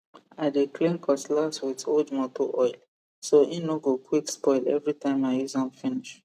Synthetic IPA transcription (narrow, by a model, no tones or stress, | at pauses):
aɪdeklẽnkʰɔslaswitodmɔtoʔɔɪl | soĩnoɡokʰwikspɔɪlɛ̰vɹitãɪ̃maizãnfiniʃ